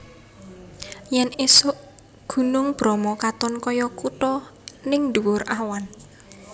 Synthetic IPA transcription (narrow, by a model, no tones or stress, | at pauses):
jɛnesʊʔ | ɡ̥ṳnʊŋb̥ɾɔmɔkat̪ɔnkɔjɔkut̪ɔnɪŋd̪uwʊrʔawan